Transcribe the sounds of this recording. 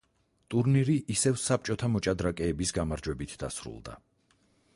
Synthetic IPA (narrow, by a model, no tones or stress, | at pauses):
t̪ʼuɾniɾiʔisɛvsap̚t͡ʃʼɔt̪ʰamɔt͡ʃʼad̪ɾakʼɛːbisɡamaɾd͡ʒwɛbit̪ʰd̪a̰sɾṵlˠd̪a̰